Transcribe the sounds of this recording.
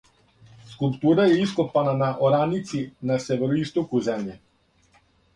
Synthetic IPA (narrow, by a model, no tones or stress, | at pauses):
skulˠpt̪uɾaɛiskɔpananaʔɔɾanit̪sinasɛvɛɾɔist̪ɔkuzɛmjɛ